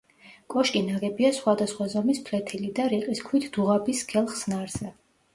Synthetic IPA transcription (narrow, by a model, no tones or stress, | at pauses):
kʼɔʃkʼinaɡɛbiasχwad̪asχwazɔmispʰlɛt̪ʰilid̪aɾiqʼiskʰwit̪ʰd̪̥uʁabisɡʰɛlˠχsnaɾz̥ɛ